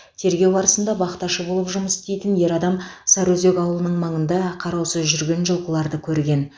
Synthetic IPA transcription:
t̪ʰe̞ɾɡʲe̞wɑɾəsənd̪ɑbɑqət̪ɑʃəbo̞lˠəpʒʊməsɪ̥st̪ejt̪ɪnje̞ɾɑd̪ɑmsɑɾwɵze̞kʲɑwəlˠənəɴmɑɴənd̪ɑqʰɑɾɑwsɵzʒʏɾɡʲe̞nʒəlˠqəlˠɑɾd̪əkʲʰɵɾɡʲe̞n

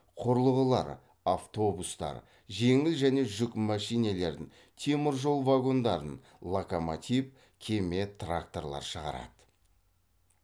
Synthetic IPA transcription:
qʰʊɾlˠəʁəlˠɑ̰ɾ | aft̪o̞bust̪ɑ̰ɾ | ʒe̞ŋɪlʒæne̞ʒʏkmæʃijne̞le̞ɾd̪ɪŋ | t̪ʰe̞mɪɾʒo̞lˠvaɡo̞nd̪ɑɾən | lˠokomat̪ʲip | kʲʰe̞me̞t̪ʰrakt̪o̞rlˠɑ̰ɾʃəʁɑ̰ɾɑ̰d̪̥ə̥

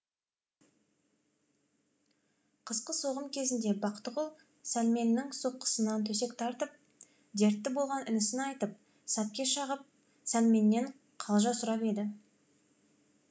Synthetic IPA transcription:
qʰəzqəso̞ʁəmkʲʰe̞zɪnd̪e̞bɑqt̪əʁolˠ | sælme̞nːɪŋsoqːə̥sənɑnt̪ʰɵse̞kt̪ʰɑɾt̪əp̚ | d̪e̞ɾt̪ːɪbo̞lˠʁɑnʏnɪsɪnɑjt̪əp̚ | sæp̚kʲe̞ʃɑʁəp̚ | sælme̞nːe̞ɴ | qʰɑlˠʒɑsʊɾɑpe̞d̪ɪ

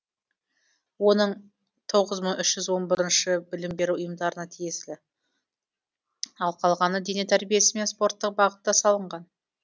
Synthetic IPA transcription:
wo̞nəɴ | t̪ʰo̞ʁəzməɴʏʃʒ̥ʏzwo̞nbɪɾɪnʃɪbɪlɪmbe̞ɾuʊjəmd̪ɑɾənɑt̪ʰije̞slɪ | ɑlˠqʰɑlˠʁɑnəd̪enet̪ʰæɾbije̞sɪme̞nspo̞rt̪ːəq̚bɑʁət̪ːɑsɑlˠəɴʁɑn

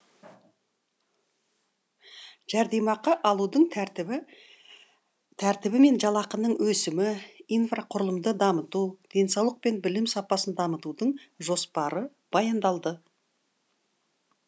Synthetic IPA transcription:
ʒæɾd̪e̞mɑqɑʔɑlˠud̪əɴ | t̪ʰæɾt̪ɪbɪme̞nʒɑlˠɑqənəɴwɵsɪmɪijnfraqʰʊɾəlˠəmd̪əd̪ɑmət̪ud̪̥e̞nsɑwlˠəq̚pe̞nbɪlɪmsɑpɑsənd̪ɑmət̪ud̪əɴʒo̞spɑɾə | b̥ɑjɑnd̪ɑlˠd̪ə

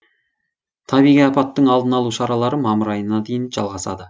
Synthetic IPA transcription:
t̪ʰɑbijʁijɑpɑt̪ːəɴɑlˠd̪ənɑlˠuʃɑɾɑlˠɑɾəmɑməɾɑjənɑd̪e̞jɪnʒɑ̰lˠʁɑsɑ̰d̪ə

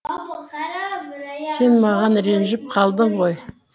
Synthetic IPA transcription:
se̞nmɑʁɑnɾe̞nʒɪp̚qʰɑlˠd̪əɴʁo̞j

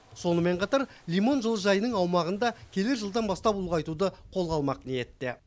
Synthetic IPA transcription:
so̞nəme̞ɴqʰɑt̪ɑɾlʲijmo̞nʒəlˠəʒɑjənəɴɑwmɑʁənd̪ɑkʲʰe̞lɪɾʒəlˠd̪ɑnbɑst̪ɑpulˠʁɑjt̪ud̪əqʰo̞lˠʁɑlˠmɑqneje̞t̪ːɪ

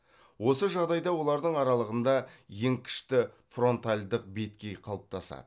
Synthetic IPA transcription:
wo̞səʒɑʁd̪ɑjd̪ɑwo̞lˠɑɾd̪əɴɑɾɑlˠəʁənd̪ɑje̞ŋkʲʰɪ̥ʃt̪ɪ | fro̞nt̪alʲd̪əq̚be̞t̪̚kʲe̞jqʰɑlˠəp̚t̪ʰɑsɑ̰d̪̥ə

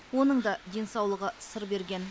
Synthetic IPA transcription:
wo̞nəɴd̪ɑd̪e̞nsɑwlˠəʁəsəɾbe̞ɾɡʲe̞n

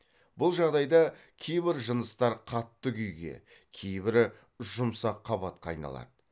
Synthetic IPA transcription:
bʊlˠʒɑʁd̪ɑjd̪ɑ | kʲʰe̞jbɪɾʒənəst̪ɑɾqʰɑt̪ːəkʲʰʏjɡʲe̞̰ | kʲʰe̞jbɪɾ | ʒʊmsɑqʰːɑβɑt̪̚qɑːjnɑ̰lˠɑ̰d̪ə

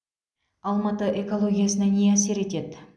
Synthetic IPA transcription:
ɑlˠmɑt̪əʔeko̞lˠo̞ɡʲijasənɑneæse̞ɾe̞t̪ed̪ɪ

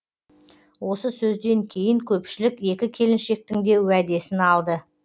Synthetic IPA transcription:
wo̞səsɵzd̪e̞ŋkʲʰe̞jɪŋkʲʰɵpʃɪlɪke̞kʲɪkʲʰe̞lɪnʃe̞k̚t̪ɪŋd̪e̞wæd̪e̞sɪnɑlˠd̪ə

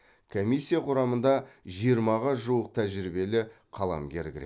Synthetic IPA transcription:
kʰomijsːijaqʰʊɾɑmənd̪ɑʒijəɾmɑʁɑʒuwəq̚t̪ʰæʒɪɾibe̞lɪ | qʰɑlˠɑ̰mɡʲe̞ɾɡʲɪɾe

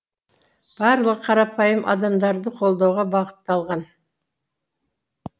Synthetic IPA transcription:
b̥ɑɾlˠəqqʰɑɾɑpʰɑjəmʔɑ̰d̪ɑmd̪ɑɾd̪əqʰo̞lˠd̪ɑwʁɑbɑqə̥t̪ːɑlˠʁɑn

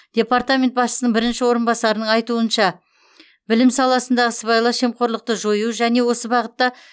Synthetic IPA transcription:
d̪̥ʲe̞paɾt̪amʲe̞nt̪̚bɑsʃə̥sənəɴbɪɾɪnʃɪwo̞ɾənbɑsɑɾənəɴɑjt̪uənʃɑ | bɪlɪmsɑlˠɑsənd̪ɑʁəsəβɑjlˠɑʃemqo̞ɾlˠəq̚t̪əʒo̞juʒæne̞wo̞səbɑʁət̪ːɑ

